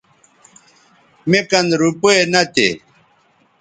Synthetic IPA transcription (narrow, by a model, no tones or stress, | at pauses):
mekɐnɾupoenɐt̪ḛ